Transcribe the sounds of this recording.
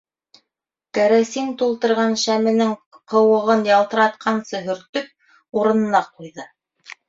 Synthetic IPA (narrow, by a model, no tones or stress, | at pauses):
kæɾæsiŋt̪ulˠt̪ɤ̆ɾʁɑnʃæmɘ̆nɘŋ | qɤ̆wɤ̆ʁɤnjɑlˠt̪ɤ̆ɾɑt̪̚qʰɑnsɤɦɵ̆ɾt̪ɵp̚ | uɾɤ̆nɤ̆nɑqujðɤ